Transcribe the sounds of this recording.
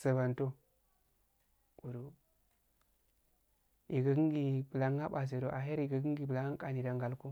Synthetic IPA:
sə˨ba˨nto˦ | u˨ɾu˨ | i˨ɡa˨ɡi˦ŋɡi˨bə˨la˨˦a˦ɓa˨s̬e˨ɾo˨ʔa˨ɦe˦ɾi˨ɡa˨ɡi˦ɡi˨bə˨la˨˦ŋa˦ka˨ni˨da˨ŋɡa˨lku˦

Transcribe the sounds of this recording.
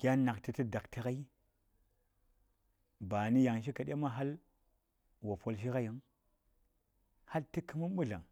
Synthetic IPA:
ɡ̥ʲa˦na˨kti˨ti˦da˨kti˦ka˦i˦ | ba˨ni˦ja˨ŋʃ̬i˦ka˨ɗe˦ma˦ɦa˦l | wo˨fo˦lʃ̬i˦ka˦ji˨˦ŋ | ha˦ltə˦kə˦mu˦mɓu˦ɮa̰˨ŋ

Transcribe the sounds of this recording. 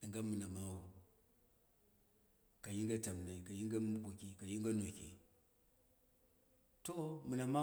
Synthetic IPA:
ɡa˦mɨ˨na˨ma˦wu˨ | ka˨ji˦ŋɡa˦ta˨m˨na˨i˨ka˨ji˦ŋɡa˦mu˦bu˨ki˨ka˨ji˦ŋɡa˦no˨kḭ˨ | to˦mɨ˨na˨ma˦

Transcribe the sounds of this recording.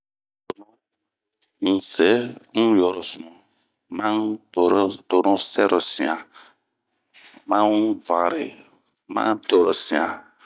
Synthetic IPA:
to˨nɔ˦ | n̩˨se˦ŋ̩˦jɔ˨ɾo˨su˨ũ˨ | mã˦˨ɾto˨ɾɔ̃˦sɛ˦ɾo˨sĩ˨ã˨ | mã˦va˨ɾɪ̰˨ | mã̰˦to˨ɾo˨sĩ˨ã˨

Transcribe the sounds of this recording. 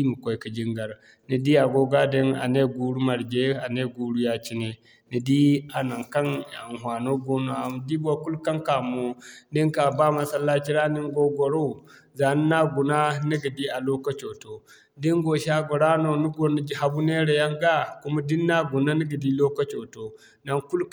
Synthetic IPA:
i˦mu˨kʷo˦i˦ka˨d͡ʒi˦ŋɡa˨ɾ | ni˨di˦a˨ɡo˦ɡa˦de˦na̰˨ne˦ɡu˦ɾu˦ma˨ɾd͡ʒe˦a˨ne˦ɡu˨ɾu˦ja˦t͡ʃi˦ne˨ | ni˨di˦a˨na˨ŋka˦na˨n˨ɦwa˨no˦ɡo˦no˨a˨m˨di˦ɡo˨ku˦lka˦ŋka˨mo˦di˦ŋka˨ba˦ma˨sa˦lːa˦t͡ʃi˦ɾa˦ni˦ŋɡo˦ɡɔ˨ɾo˦˨ | za˨ni˦na˦ɡu˨na˦ni˦ɡi˨di˦a˨lo˦ka˦t͡ʃo˨to˨ | di˦ŋɡo˨ʃa˦ɡɔ˨ɾa˦no˨nu˦ɡo˨ni˨d͡ʒi˦ha˨˦bu˦ne˦ɾe˨ja˦ŋɡa˦ku˦ma˦di˦nːa˦ɡu˨na˦ni˦ɡi˨di˦lo˦ka˦t͡ʃo˨to˨ | na˦ŋku˦l

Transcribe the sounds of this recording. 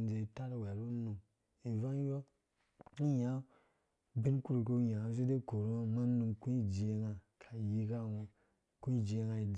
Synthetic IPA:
nd͡ze˧˨ta˦ɾwɛ˨ɾu˦nu˧m | i˨va˦jo˦ | i˦ja˨˦ | bi˦nku˦ɾu˨ko˦ja˨a˨˦zu˦de˦ko˨ɾa˦ma˦nu˧mku˦i˦d͡ʒi˨e˦ŋa˨ | kʰa˨ji˦ka˦˨wo˦ | ku˦i˦d͡ʒe˦ŋa˧i˨

